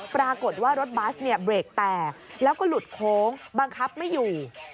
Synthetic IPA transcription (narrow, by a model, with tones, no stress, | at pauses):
pɾaː˧ko˨˩t̪̚waː˥˩ɾo˦˥t̪̚baː˦˥sni˥˩ɐbɾeː˨˩k̚t̪ɛː˨˩k̚lɛː˦˥wkɔː˥˩lu˨˩t̪̚kʰoː˨˦˥ŋba˧ŋkʰa˦˥p̚ma˥˩jːuː˨˩